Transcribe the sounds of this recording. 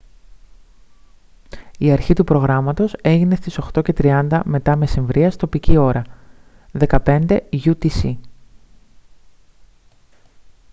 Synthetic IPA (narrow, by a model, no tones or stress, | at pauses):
iɐɾçit̪upɾo̞ɣɾɐmɐt̪o̞se̞ʝine̞st̪iso̞xt̪o̞ce̞t̪ɾiɐnd̪ɐme̞t̪ɐme̞siɱvɾiɐst̪o̞picio̞ɾɐ | ðe̞kɐpe̞nd̪e̞ʝut̪isi